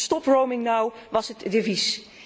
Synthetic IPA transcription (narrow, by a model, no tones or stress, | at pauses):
stɔpɹowmɪŋnawʋɑsɦətdevis